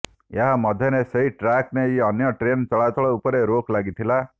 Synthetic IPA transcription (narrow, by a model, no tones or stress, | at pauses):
eɦamɔd̪ʱjɔneseɦiʈɾakneiɔnjɔʈɾent͡ʃɔɭat̪ɔɭɔupɔɾeɾoklaɡit̪ʰila